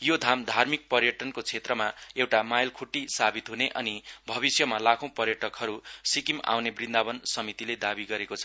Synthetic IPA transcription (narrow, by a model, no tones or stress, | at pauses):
jod̪ʱamd̪ʱarmik̚pʌrjʌʈʌnkot͡sʰet̪rʌmaewʈamajlkʰuʈːisabit̪ɦuneʔʌ̰nibʱʌβisjʌmalakʰõw̃pʌrjʌʈʌkɦʌɾusikima̰wnebrind̪abʌnsʌmit̪iled̪abiɡʌɾekot͡sʰʌ